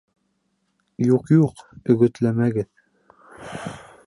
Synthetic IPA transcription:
juqjuqɵ̆ɡɵ̆t̪læmæɡɘð

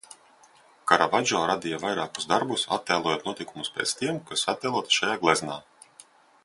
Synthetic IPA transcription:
kaɾavad͡ʒɔːɾad̪ijavajɾaːku̥zd̪aɾbusa̰t̪ʲːɛːlˠuɔːjoːt̪nuɔt̪ʲikumuspʲɛ̰ːt̪st̪iɛmkasat̪ːɛlˠuɔt̪ʃajaːɡlˠɛznaː

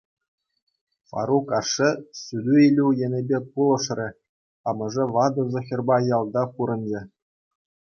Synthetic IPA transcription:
fɑ̰ɾukɑʂɘ̆sʲylʲuilʲujenʲebʲekulˠɤ̆ʂrʲɘ̆ | ɑmɤ̆ʐɘ̆ʋɑd̪ɤ̆zŏxʲĕrbɑjɑlˠd̪ɑpuɾɤ̆nʲd͡ʑĕ

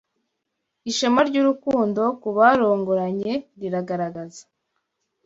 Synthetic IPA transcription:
iʃamaɾɟuɾukuːndo̞kuβaɾoːŋɡoɾaɲe̞ɾiɾaɡaɾaɡazḁ

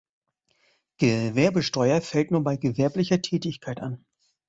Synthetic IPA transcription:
ɡ̥əvɛɐbəʃtɔʏɐfɛltnuːɐbaɪɡəvɛɐplɪçɐtʰɛːtɪçkʰaɪtʔan

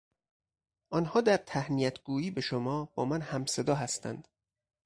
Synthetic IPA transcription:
ʔɒːnhɒːd̪æɾt̪ʰæhnijæt̪ʰɡ̥uːiːbe̞ʃomɒːb̥ɒːmænhæmse̞d̪ɒːɦæst̪ʰæ̰nd̪̥

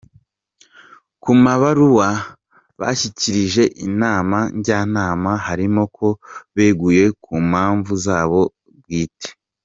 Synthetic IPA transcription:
kumaβaɾuwa | βa̰çiciɾiʒe̞ʔinaːmaɲɟaːnaːmahaɾimo̞kʰo̞βe̞ːɡuje̞kumhaːɱvuzaːβo̞ | βɡiːte̥

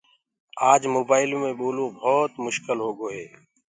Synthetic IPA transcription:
aːd͡ʒmoːbaːɪlõːmẽːɓoːlõːbʱɔːt̪mʊʃkɪlɦoːɡoːɦeː

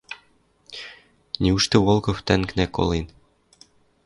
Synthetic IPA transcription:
nʲiuʃt̪ɘ̆wolˠkoft̪æŋknæko̰lˠin

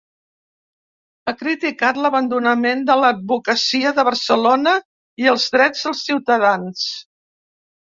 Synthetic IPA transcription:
akɾit̪ikat̪ləβənd̪unəmend̪ələd̪̚βukəsiəðəβ̞əɾsəlonə | iəlˠzðɾɛd͡zðəlˠsiwt̪əðans

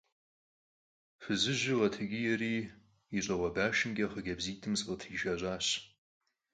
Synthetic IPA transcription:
fɨzɨʒɪʁɐtʰɨɡʲɪjɛriː | iɕʼɐʁʷɐbaːʃɪnɡʲʼɐχəɡʲɐbziːtʰɨmsʁətʰiːʒaːɕʷʼaːɕ

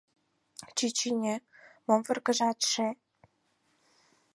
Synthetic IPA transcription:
t͡ɕit͡ɕinʲemomvə̆rɡə̆ʒɑt̪ʃe

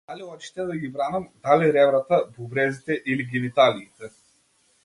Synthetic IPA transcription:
d̪aliɔt͡ʃi̥t̪ɛd̪aɡibɾanamd̪aliɾɛvɾat̪abubɾɛzit̪ɛʔiliɡʲimit̪aliːt̪ɛ

